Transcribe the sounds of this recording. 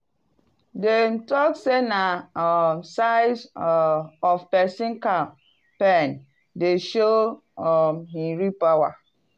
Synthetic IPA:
demtɔksenamsaɪs | ɔfpɛsĩnka | pɛn | deʃo | ɔmhĩɹipawa̰

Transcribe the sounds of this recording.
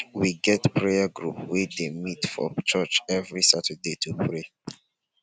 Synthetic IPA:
wiɡɛtpʰɹejaɡɹupwidemitfɔ̰t͡ʃɜt͡ʃɛvɹisatʰədetʰupʰɹe

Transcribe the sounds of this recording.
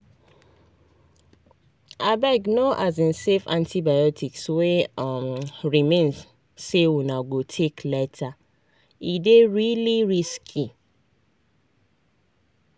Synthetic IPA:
abɛɡnoʔazĩnsefãntʰibajɔtʰikswemɹimẽn | sewunaɡotʰeklɛtʰa | ideɹiliɹiskʰi

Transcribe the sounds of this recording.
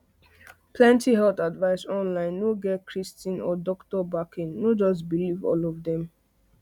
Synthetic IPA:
pʰlɛ̃ntiɦɛlθadvaɪsɔ̃nlãɪ̃nːoɡɛkʰɹistĩnɔ̰dɔktɔbakʰĩnːod͡ʒɔs̬bilivɔ̰lɔvdɛ̃m

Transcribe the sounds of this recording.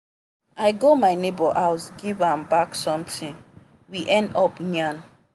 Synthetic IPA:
ajɡomajnebɔʔaʊsɡivãmbaksɔ̃mtĩŋ | wiʔɛ̃ndɔpɲãn

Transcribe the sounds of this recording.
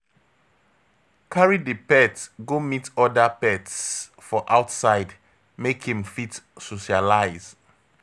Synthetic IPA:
kʰaɹidipɛtɡomitɔdapɛts | fɔʔaʊtsaɪd | mekʰĩŋfitsoʃialaɪz

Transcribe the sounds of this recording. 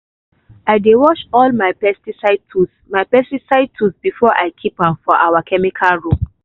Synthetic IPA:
aɪdewɔʃɔlmaɪpɛstisaɪd̚tʰusmaɪpɛstisaɪd̚tʰusbifɔʔa̰jkʰipãmfɔʔawakʰɛmikʰalɹo

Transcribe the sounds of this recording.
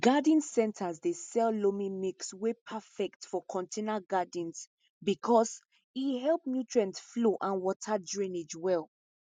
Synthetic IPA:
ɡadĩnsɛ̃ntʰazdesɛllomĩmekswepʰafɛktfɔkʰɔ̃ntʰenaɡadĩns | bikʰɔs | iɦɛlˠp̚mjutɹɛ̃ntfloʔãnwɔtʰadɹĩned͡ʒwɛlˠ

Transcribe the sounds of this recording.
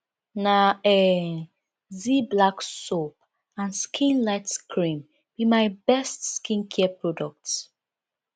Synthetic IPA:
naɛ | ziblaksop̚ | ãnskʰĩnlaɪtskʰɹĩm | b̥imaɪbɛstskĩnkʰɛpɹɔdɔk̚t

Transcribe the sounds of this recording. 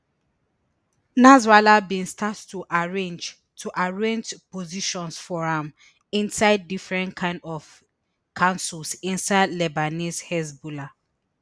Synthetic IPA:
nazwalabĩnstʰattuʔaɹẽnd͡ʒ | tʰuʔaɹẽnd͡ʒpoziʃɔ̃nsfɔɹãm | ĩnsaɪdːifɹɛ̃ntkʰãɪ̃ndɔv | kʰãnsulsĩnsaɪdlɛbanishɛsbula

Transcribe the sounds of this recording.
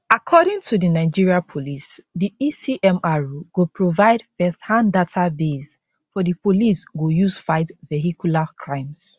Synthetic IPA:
akʰɔɾɪ̃ŋtʰudinaɪd͡ʒiɹiapʰolisdiisiʔɛ̃maɹuɡopʰɹovaɪdfɛsthãndatʰabez | fɔdipʰolisɡojusfaɪtvɛɦikʰjulakʰɹãɪ̃ms

